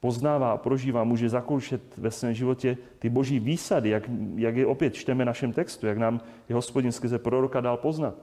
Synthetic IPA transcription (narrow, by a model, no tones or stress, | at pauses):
po̞znaːvaːapɾo̞ʒiːvaːmuːʒɛzakowʃɛt̪vɛsvɛːmʒɪvo̞cɛt̪ɪbo̞ʒiːviːsadɪjakjaɡjɛʔo̞pjɛt̪t͡ʃt̪ɛmɛnaʃɛmt̪ɛkst̪ujaɡnaːm | jɛɦo̞spo̞ɟɪnskɾzɛpɾo̞ɾokadaːlpo̞znat̪